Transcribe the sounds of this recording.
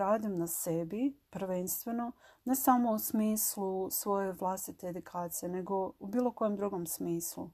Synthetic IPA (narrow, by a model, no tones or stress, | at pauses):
aːd̪imnasebipɾʋe̞nst̪ʋe̞no̞ne̞samo̞usmiːslˠusʋo̞je̞ʋlˠast̪it̪e̞ːd̪ukʰaːt̪sijene̞ɡo̞ubiːlo̞ko̞jemd̪ɾuɡo̞msmiːslu